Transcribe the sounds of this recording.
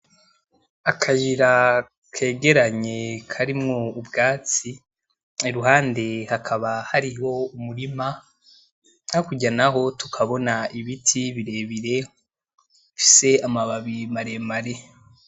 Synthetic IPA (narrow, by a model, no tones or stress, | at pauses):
akʰajiɾa | kʰe̞ːɡe̞ɾaɲe̞kʰaɾimŋo̞ubɡaːt͡si | eɾuɦaːnde̞hakʰaβahaɾiho̞umuɾima | akuɟanaɦo̞tu̥kʰaβo̞naiβitʰiβiɾe̞ːβiɾe̞ | ufi̥se̞amaβaβimaɾemaɾe̞